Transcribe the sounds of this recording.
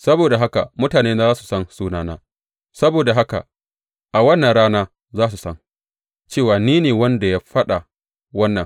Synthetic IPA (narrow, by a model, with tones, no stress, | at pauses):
sɐ˦boː˨da˨ɦa˦ka̰˨mʊ˦taː˨neː˦naː˦zaː˦su̥˨sɐ˦nsuː˦naː˦naː˦ | sɐ˦boː˨da˨ɦa˦ka̰˨ | ʔa˨wɐ˦nːɐ˨nɽaː˦naː˦ | zaː˦s̬u˨sɐ˦ŋ | t͡ʃeː˦˨waː˨niː˦neː˨wɐ˦nda˨ja˦ɸɐ˦ɗa˨ | wɐ˦nːɐ˨ŋ